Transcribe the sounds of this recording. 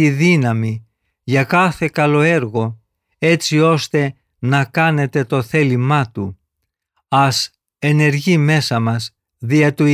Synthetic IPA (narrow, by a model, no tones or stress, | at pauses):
iðinɐmi | ʝɐkɐθe̞kɐlo̞e̞ɾɣo̞ | e̞t͡sio̞st̪e̞ | nɐkɐne̞t̪e̞t̪o̞θe̞limɐt̪u | ɐs | e̞ne̞ɾʝime̞sɐmɐz | ðiɐt̪u